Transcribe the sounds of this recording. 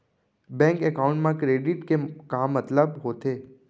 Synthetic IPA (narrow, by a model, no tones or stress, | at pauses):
bɛ̃ŋkɛkauɳʈmãkɾeɖiʈkekãmːət̪ləbɦot̪e